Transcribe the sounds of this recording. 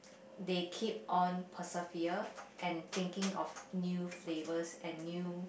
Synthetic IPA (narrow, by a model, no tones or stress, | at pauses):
dekʰip̚ʔɔ̃npʰəsəfiəʔɛ̃nt̪ɪ̃ŋkɪ̃ŋɔfnjuflevəsɛ̃nːju